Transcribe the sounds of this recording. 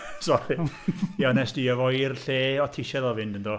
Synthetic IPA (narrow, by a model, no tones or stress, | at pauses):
sɔɾijanɛsd̥iəvɔjrɬeːɔtʰɪʃɛðɔvɪndəndɔ